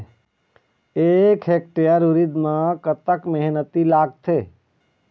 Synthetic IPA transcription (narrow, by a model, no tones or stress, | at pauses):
eːkʰɦek̚ʈejəɾuɾid̪mãkət̪əkmeɦnət̪ilaːɡ̚t̪ʰeː